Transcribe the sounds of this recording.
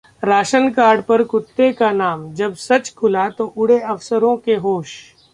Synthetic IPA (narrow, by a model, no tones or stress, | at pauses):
ɾaːʃənkaːɾɖpɐɾkʊt̪ːekanaːmd͡ʒɐbsɐt͡ʃkʰʊlat̪oʔʊɽeɐʋsəɾõkeɦoːʃ